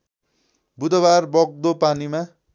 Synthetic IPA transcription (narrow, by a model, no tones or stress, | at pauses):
bud̪ʌbarbʌɡ̚d̪opanima